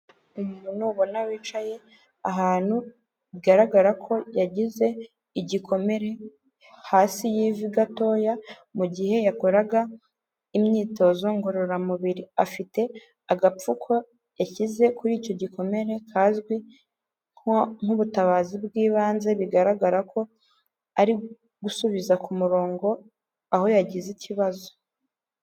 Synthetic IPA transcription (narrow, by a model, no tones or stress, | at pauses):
umununuːβo̞nawiːt͡ʃaje̞ | aɦaːn̥hu | βiɡaɾaɡaɾakʰo̞jaɟize̞ | iɟiko̞me̞ɾe̞ | haːsijiːviɡato̞ːja | muɟihe̞jako̞ɾaɡa | imɲiːto̞zo̞ŋɡoɾo̞ɾamuβiɾiafite̞ | aɡap͡fukʰo̞ | jaçize̞kuɾiːco̞ɟiko̞me̞ɾe̞kʰaːzɡwi | ŋ̥uβutaβaːzibɡiːβaːnze̞βiɡaɾaɡaɾako̞ | aɾi | ɡusuβizakumuɾo̞ːŋɡo̞ | aho̞jaɟiziciβazo̞̥